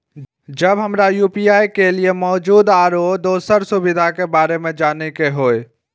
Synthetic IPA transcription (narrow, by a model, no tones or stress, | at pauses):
d͡ʒəbɦəmɾajupiaːjkeliemɔːd͡ʒuːd̪aɾod̪oːsəɾsubid̪ʱakebaːɾemẽd͡ʒaːnekeɦoːe